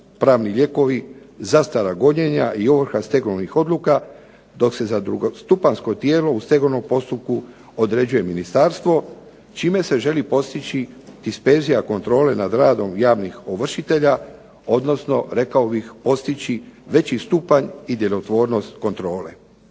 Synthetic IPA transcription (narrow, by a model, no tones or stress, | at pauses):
pɾaːʋniʎe̞ko̞ʋi | zast̪aɾaɡo̞ɲe̞ɲaʔioʋr̩xast̪e̞ɡoʋnixo̞d̪luka | d̪o̞kse̞zad̪ɾuɡost̪upansko̞t̪je̞ːlo̞ust̪e̞ɡono̞mpo̞st̪up̚ku | o̞d̪ɾe̞d͡ʑuje̞minist̪aːɾst̪ʋo̞ | t͡ʃiːme̞se̞ʒe̞lipo̞st̪it͡ɕit̪ispe̞ːzijako̞nt̪ɾo̞ːle̞nad̪ɾaːd̪o̞mjaːʋnixoʋr̩ʃit̪e̞ʎa | o̞d̪no̞sno̞ɾe̞kaobixpo̞st̪it͡ɕiʋe̞t͡ɕist̪upaɲid̪jelot̪ʋo̞ːɾno̞st̪ko̞nt̪ɾo̞ːle̞̰